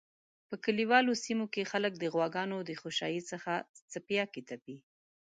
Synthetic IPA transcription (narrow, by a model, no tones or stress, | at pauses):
pəkəliwɑlosimokexalək̚d̪əɣwɑɡɑnod̪əxoʃɑ̰jisəxat͡sapjɑket̪api